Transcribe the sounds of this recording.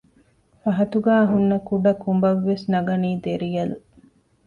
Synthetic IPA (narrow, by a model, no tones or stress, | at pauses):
fɐɦɐt̪uɡaːɐɦunːɐkuɖɐkumbɐʋːesnɐɡɐniːd̪eɾijɐlu